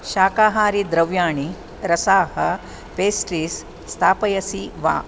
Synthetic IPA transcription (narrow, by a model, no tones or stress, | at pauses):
ʃaːkaːɦaːɾid̪ɾɐʋjaːɳi | ɾɐsaːhɐ̆ | peːsʈɾiːsː | t̪ʰaːpɐjɐsiʋa̰ː